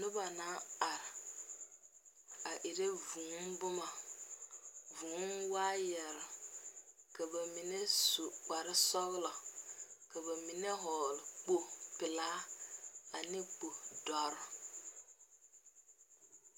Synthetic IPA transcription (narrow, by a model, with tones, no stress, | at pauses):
nʊ˦ba˨na˨˦a˨ɾɪ˨ | a˨ʔɪ˨ɾe˦vu˨˦nbʊ˦ma˨ | vu˨˦nwaː˦jɛ˨ɾɪ˨ | ka˨ba˨mi˨ne˦su˨k͡pa˨ɾɪ˦sɔ˦ɣlɔ˨ka˨ba˨mi˨ne˦ɦɔː˨lɪ˨k͡po˦pɪ˨laː˦ | a˨nɪ˦k͡po˨dɔ˨ɾ